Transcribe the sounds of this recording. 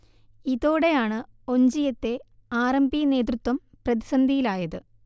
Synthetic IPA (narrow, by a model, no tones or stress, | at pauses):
iðo̞ːɽe̞jaːɳɨ | o̞ɲd͡ʑijɐt̪ːe̞ | aːɾɐmbijne̞ːd̪rut̪ːwɐm | prɐðisɐnd̪ʱijilaːjɐðɨ